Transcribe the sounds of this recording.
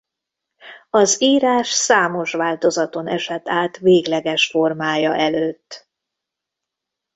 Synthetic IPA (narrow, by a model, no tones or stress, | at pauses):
ɒziːɾaːʃsaːmo̞ʃʋaːlt̪o̞zɒt̪o̞nɛʃɛt̪ːaːt̪veːɡlɛɡɛʃfo̞rmaːjɒʔɛløːt̪ː